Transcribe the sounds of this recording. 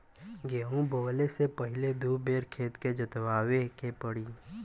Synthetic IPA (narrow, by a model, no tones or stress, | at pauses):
ɡeũboːlesepəɦɪled̪uːbeːɾkʰeːt̪ked͡ʒət̪ʋaːwekepəɽiː